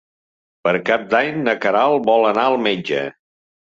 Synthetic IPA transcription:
pəɾkap̚d̪aɲnəkəɾalˠbɔlənaəlˠmed͡ʒə̰

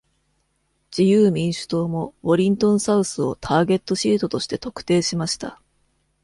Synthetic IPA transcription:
d͡ʑijɯ̟ːmʲĩɰ̃ɕɨ̥t̪o̞ːmo̞βo̞ɾʲĩnt̪õ̞ɰ̃saɯ̟sɨo̞t̪ʰaːɡe̞t̪ːo̞ɕiːt̪o̞t̪o̞ɕi̥t̪e̞t̪o̞kɯ̟̥t̪e̞ːɕimaɕi̥t̪a̰

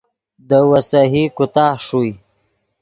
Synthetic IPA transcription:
d̪əwasaɦikʊt̪ɑːhʂuj

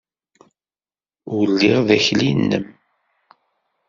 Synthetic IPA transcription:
ʊlːiʁðæçlinːə̰m

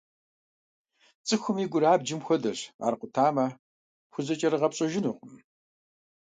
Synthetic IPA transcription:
t͡sʼɨxʷʊmiɡʷʊɾaːbd͡ʒɪmxʷɔdɐɕa̰ːrqʷʊtʰaːmɐ | xʷʊzɐt͡ʃʼɐrɨʁɐpɕʼɐʒɪnuːqʷʼʊm

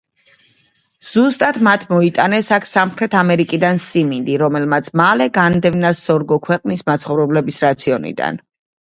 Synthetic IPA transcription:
z̥ust̪ʼat̪ʰmat̪ʰmɔit̪ʼanɛsakʰsamχɾɛt̪ʰamɛɾikʼid̪ansimind̪iɾɔmɛlmat̪sʰmalɛɡand̪ɛvnasɔɾɡɔkʰwɛqʼnismat̪sʰχɔvɾɛblɛbisɾat̪sʰiɔnḭd̪a̰n

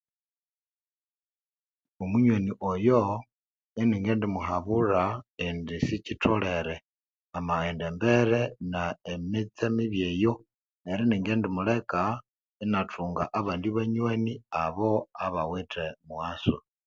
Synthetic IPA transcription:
omuɲweniʔojo | eniːŋɡeːndimuɦaβuraendisicitʰole̞ɾe | amaendembeɾenaemit͡semiβjeːjo̞ | eɾiniːŋɡeːndimule̞ka | enatʰuːŋɡaʔaβaːndiβaɲweniaβo̞aβawitʰemwaso

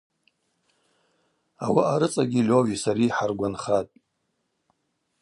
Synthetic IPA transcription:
awaʔaɾɨt͡sʼaɡʲilʲoɥisaɾiːħarɡʷanχatʼ

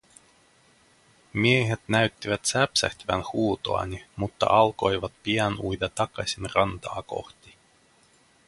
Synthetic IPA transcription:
mieɦet̪næɥt̪ːiʋæt̪sæpsæ̰ht̪ʋæ̰nhuːt̪o̞̰ɑ̰nimut̪ːɑ̰ʔɑlko̞jʋɑt̪piænujd̪et̪ɑkɑsʲinrɑnt̪ɑːko̞̰xt̪i

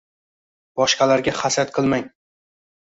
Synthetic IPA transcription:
bɒʃqɑlaɾɡʲaχasat̪qʰɨlˠmaŋ

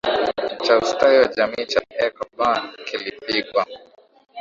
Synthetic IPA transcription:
t͡ʃaustaiwad͡ʒamiːt͡ʃaɛkɔbankilipiɡwa

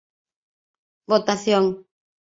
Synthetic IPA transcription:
bot̪aθjoŋ

